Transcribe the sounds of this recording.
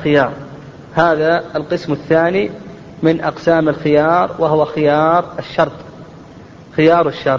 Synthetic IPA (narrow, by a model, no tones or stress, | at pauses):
xɪjɑːɾˤ | haːðalqɨsmɪθːaːni | mɪnʔɑqsaːmɪlxɪjɑːɾˤwaɦʊwaxɪjɑːɾˤɪʃːɑɾˤt̪ˤ | xɪjɑːɾˤwɪʃːɑɾˤt̪̚ˤ